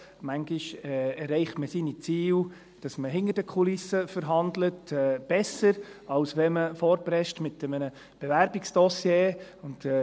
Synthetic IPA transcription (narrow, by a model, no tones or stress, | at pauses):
mæŋɡɪʃɛɛɾɛɪχtməsinit͡siːw | d̥ɑsməɦɪnəɾdəkʰulɪsəfəɾɦɑndlətɛːb̥ɛsəɾɑlsʋɛməfɔːɾbɾɛʃtmɪtːɛmənə | b̥evæɾbɪksd̥ɔsjeːʊnd̥̪ɛ